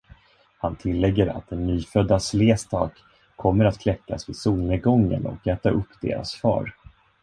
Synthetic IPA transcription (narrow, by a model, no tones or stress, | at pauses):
hant̪ʰɪlːɛɡːəɾa̰t̪̚d̪ɛnːyːfœd̪ːasleːst̪ʰɑːkʰː | ɔmːəɾat̪kʰlɛkːasvɪsuːlnəɡɔŋːə̰nɔ̰kɛːt̪aʔɵpːd̪ḛːɾa̰sfɑ̰ːɾ